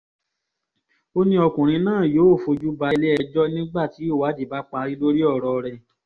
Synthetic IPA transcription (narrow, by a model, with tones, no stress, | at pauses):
o˦nĩ˦ɔ˧kũ˨ɾ̃ĩ˧nãː˦˨joː˨˦˨fo˧d͡ʒu˦ba˧le˦ɛ˧d͡ʒɔ˦nĩ˦ɡ͡ba˦˨ti˨˦o˦˨wa˨˦di˨ba˨˦k͡pa˧ɾi˦lo˦ɾi˦ɔ˦˨ɾɔ˧ɾɛ˧